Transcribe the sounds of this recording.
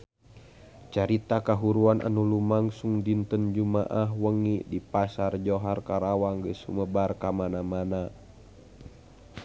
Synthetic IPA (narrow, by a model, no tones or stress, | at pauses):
t͡ʃaɾit̪akaɦuɾuanʔa̰nulumaŋsuŋdint̪ənd͡ʒuma̰ʔaɦwəŋidipasard͡ʒoɦarkaɾawaŋɡəsṵməbarkamanamana